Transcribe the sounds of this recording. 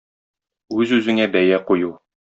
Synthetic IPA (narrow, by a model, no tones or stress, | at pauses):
ʉzʉzɘ̆ŋæbæjæquju